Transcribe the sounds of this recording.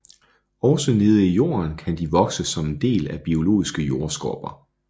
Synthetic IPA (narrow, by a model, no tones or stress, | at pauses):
ɒʊsəne̝ːð̞̩ˠəijo̝̰ːɐnkʰænd̥iʋɒ̽ɡ̥səsɒ̽mend̥e̝̰ːlæb̥io̝lo̝̰ːisɡ̥əjo̝ɐsɡ̥ɒ̰b̥ɐ